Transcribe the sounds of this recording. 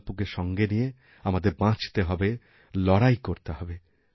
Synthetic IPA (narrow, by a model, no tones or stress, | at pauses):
pukeʃɔŋɡenije | amad̪eɾbãt͡ɕt̪eɦɔbe | lɔɽajkoɾt̪eɦɔbe